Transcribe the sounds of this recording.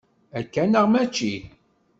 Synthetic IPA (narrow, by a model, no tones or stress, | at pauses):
ækːænəʁmæt͡ʃːi